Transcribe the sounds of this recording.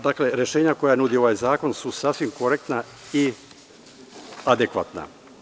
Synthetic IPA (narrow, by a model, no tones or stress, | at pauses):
d̪akle̞ɾje̞ʃe̞ːɲako̞jajenud̪io̞ʋajzaːko̞nsusasʋimko̞ɾek̚t̪na | i | ad̪ekʋa̰t̪na̰